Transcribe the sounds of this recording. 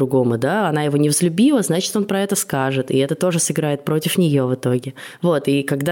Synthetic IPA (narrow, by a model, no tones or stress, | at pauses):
ɾʊɡo̞mʊd̪aɐnajɪvo̞nʲɪvzlʲʉbʲilˠəznat͡ɕɪ̥t̪o̞npɾɐɛt̪əskaʐɨt̪ɪ̰ɛt̪ət̪o̞ʐɨsɨɡɾajɪt̪̚pɾo̞tʲɪfnʲɪjo̞vɨt̪o̞ɡʲɪvo̞t̪ikɐɡd̪a